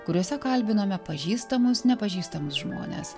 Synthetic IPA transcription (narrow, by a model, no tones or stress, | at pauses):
kʊɾʲuɔsʲɛkɐlʲbʲɪnoːmʲɛpɐʒʲiːst̪ɐmʊsnʲɛpɐʒʲiːst̪ɐmʊsʒmo̰ːnʲḛːs